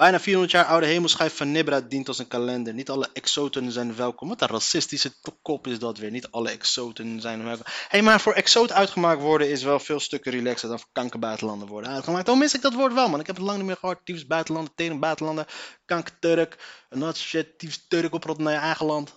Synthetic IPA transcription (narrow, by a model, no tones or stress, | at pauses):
b̥ɛjnaːfiːɹɦɔndə˞tjaːɹʔɔwdəɦejməlˠsχɛjftfɑnːɪbɾadintɑlˠsənkalɛndəɹnitɑləʔɛksowtənzɛjnʋɛlˠkɔmʋɑntərasɪstisəkɔpɪsdɑtʋɪːɹnitɑləɛksowtənzɛjnəʋɛlˠkhejmaːɹfʊːɹɛksowtəœɥtχəmaːk̚tʋɔɹdəɪsʋɛlˠfɪːlˠstøkəɾilɛksədɔnfʊːɹkɑŋkəbœɥtəlɑndəʋɔɹdəœɥtχəmaːk̚tdomɪsɪɡ̚dɑtʋoːɹtʋɛlˠmaːɾɪkɦɛpətlɑŋnitmɪːɹχəɦɔtːifsbœɥtəlɑndəteənbœɥtəlɑndəkɑŋktøɾəkənɑsoʃatiftøɾəkɔprɔtnajəɛjχəlɑnt